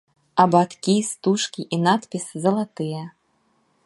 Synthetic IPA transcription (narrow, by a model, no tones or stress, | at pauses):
ɐbat̪kʲist̪uʂkʲiʔinat̪pʲiszɐlˠat̪ɨjɐ